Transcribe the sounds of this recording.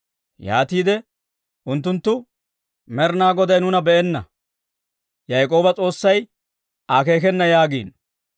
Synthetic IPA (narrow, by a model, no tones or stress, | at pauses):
ja̰ːt̪iːd̪ɛ | ʔʊnt̪ːʊnt̪ːʊ | mɛɾnaːɡɔd̪ɐjnʊnɐbɛɛnːɐ̰ | jɐjkʼo̞ːbɐt͡sʼo̞ːsːɐj | ʔake̞ːk̬ɛnːɐjaːɡḭːn